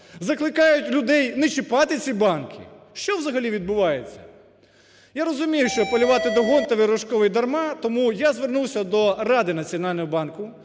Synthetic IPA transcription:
zɐklˠɪkɑjʊtʲlʲʊd̪ɛjnet͡ʃɪpɑt̪ɪt͡sʲibɑnkʰɪ̰ | ʃt͡ʃɔwzɐɦɐlʲiʋʲid̪̚bʊʋɑjet͡sʲːɐ | jaɾɔzʊmʲijʊʃt͡ʃɔpɐlʲʊʋɑt̪ɪd̪ɔɦɔnt̪ɐʋɪɾɔʃkɔʋɪjd̪ɐrmɑt̪ɔmujazʋernuwsʲɐd̪ɔrɑd̪ɪnɐt͡sʲiɔnɑlʲnɔɦɔbɑnkʊ

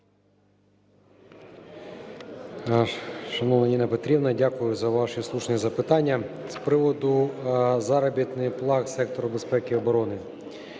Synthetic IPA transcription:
ʃɐnɔʋnɐnʲinɐpet̪ɾʲibnɐdʲakʊjʊzɐʋɑʃislˠuʃnʲizɐpɪt̪ɑnʲːɐspɾɪʋɔd̪ʊzɑɾɐbʲit̪nɪjplˠɑksɛk̚t̪ɔɾʊbespɛkɪɔbɔɾɔnɪ

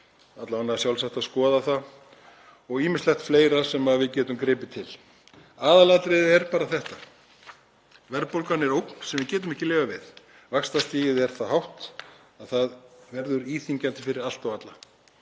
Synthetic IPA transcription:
at̪lavanːasjawlsaht̪aðskɔːðaθa | ɔɣiːmɪslɛxt̪fleːjɾasɛmaðvɪðcɛːt̪ʏmkɾɪːpɪt̪ʰɪl̥ | aːðalat̪ɾɪðɛɾpaːɾaθɛht̪a | vɛɾpowlkanːɛɾowkn̥sɛmvɪcɛːt̪ʏmɛhcɪleːɣavɪð | vakst̪ast̪iːjɪðɛɾ̥θaðhawht̪ | aðθaðvɛɾðʏɾiːθiɲcant̪ɪfɪɾɪɾal̥t̪awat̪la

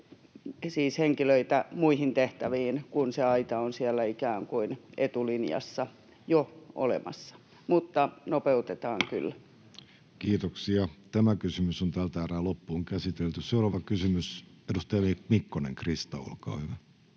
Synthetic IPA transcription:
siːsheŋkiløit̪æmuihint̪eht̪æʋiːnkunseɑit̪ɑonsiælːæikæːŋkuinet̪ulinjɑ̰sːɑ | joo̰lḛmɑ̰sːɑ̥ | mut̪ːɑnopeut̪et̪ɑːŋky̰l | kiːt̪oksiɑt̪æmækysymysont̪æːlt̪æːræːlopːuːŋkæsit̪elt̪ysseurɑʋɑkysymys | edust̪ɑjɑimikːonḛŋkrist̪ɑṵlkɑ̰ːyʋæ

